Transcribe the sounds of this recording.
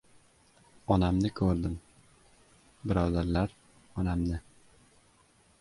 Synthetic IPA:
ɒnamnɪkʰɵɾd̪ɪm | bɪɾɒːd̪aɾlaɾ | ɒnamnɪ

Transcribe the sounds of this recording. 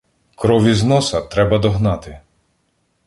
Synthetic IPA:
kɾɔʋʲiznɔsɐt̪ɾɛbɐd̪ɔɦnɑt̪ɪ

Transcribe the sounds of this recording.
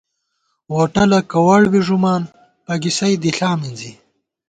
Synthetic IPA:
woʈɐlɐkɐwɐɽwiʐumaːn | pɐɡisɐjd̪iɬaːminzi

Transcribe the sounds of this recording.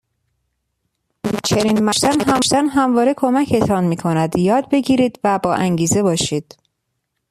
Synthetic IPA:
t͡ʃʰe̞niːnmæʃt̪ænɦæmʃd̪ænɦæmvɒːɾe̞kʰo̞mæcʰe̞t̪ʰɒːnmiːkʰonæd̪jɒːd̪̚be̞ɟiːɾiːd̪væbɒːʔæŋɟiːze̞bɒːʃiːd̪̥

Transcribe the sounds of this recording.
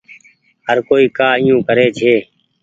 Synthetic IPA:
ɦəɾkoːiːkaːɪjũːkəɾeːd͡ʒʰʱeː

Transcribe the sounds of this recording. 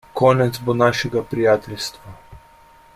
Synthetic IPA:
kɔːnɛt̪zbonaːʃɛɡapɾijaːt̪ɛlst̪ʋa

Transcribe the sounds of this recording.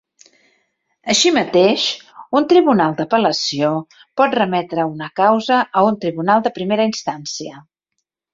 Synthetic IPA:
əʃimət̪eʃunt̪ɾiβunalˠd̪əpələsio | pɔt̪rəmɛt̪ɾəunəkawzəʔəunt̪ɾiβunalˠd̪əpɾimeɾəinst̪ansiə

